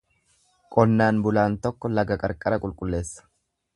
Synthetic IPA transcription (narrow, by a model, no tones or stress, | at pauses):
kʼɔnːaːnbʊlaːnt̪ɔkːɔlɐɡɐkʼɐɾkʼɐɾɐkʼʊlkʼʊlːe̞ːsːɐ̥